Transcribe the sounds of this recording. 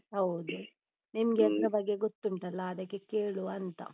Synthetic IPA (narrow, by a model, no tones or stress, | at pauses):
hɐwd̪u | nimɐɡɛlɐɾɐbɐɡːeɡot̪ːuɳʈɐlːɐːd̪ɐkːe̞keːɭuɐnt̪ɐ̰